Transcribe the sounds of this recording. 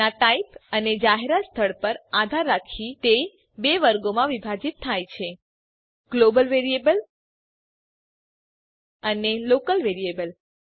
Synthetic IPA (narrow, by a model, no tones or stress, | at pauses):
aʈaipəned͡ʒaɦeɾatst̪ʰəɭpəɾad̪ʱaɾːakʰit̪e | beʋəɾɡomãʋibʱad͡ʒit̪ʰːajt͡ʃʰe | ɡ̥lobəlʋeɾijebəl | ənelokəlʋeɾiebəl